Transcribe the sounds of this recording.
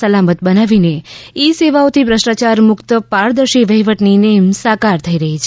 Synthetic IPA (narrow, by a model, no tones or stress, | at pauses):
əlamət̪̚bənaʋineiseʋaot̪ʰipɾəsʈat͡ʃaɾmʊkt̪paɾd̪əɾʃiʋəɦiʋəʈninemsakaɾt̪ʰəiɾəɦit͡ʃʰ